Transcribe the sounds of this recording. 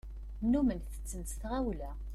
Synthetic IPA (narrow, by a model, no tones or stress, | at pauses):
nːumənθə̥t͡sːənsθʁæwlæ